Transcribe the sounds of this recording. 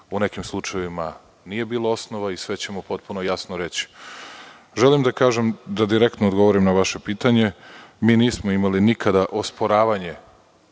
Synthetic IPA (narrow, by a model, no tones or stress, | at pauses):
une̞kimslˠut͡ʃajʋima | nije̞biːlˠao̞snoʋaisʋe̞t͡ɕe̞mupo̞t̪̚puno̞jasnoɾe̞t͡ɕi̥ | ʒe̞limd̪akaːʒemd̪ad̪iɾe̞k̚t̪nod̪ɡo̞ʋoɾimnaʋaʃe̞piːt̪aɲe̞miːniːsmoimalinikʰad̪aʔo̞spo̞ɾaːʋaɲe̞